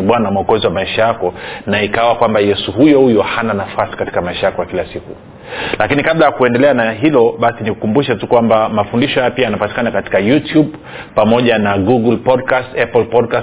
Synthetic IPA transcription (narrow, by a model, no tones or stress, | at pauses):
ɓwanamɔkɔziwamaiʃajakɔnaikawakwambajɛsuɦujɔhujɔhananafasi̥kati̥kamaiʃajakɔjakilasikṵ | lakinikaɓlajakuɛndɛlɛanaɦilɔɓasiniku̥kumbuʃatukwambamafundiʃɔjapiajanapati̥kanakati̥kajutjub | pamɔʄanaɡuɡulpɔdkastɛpɔlpɔdkas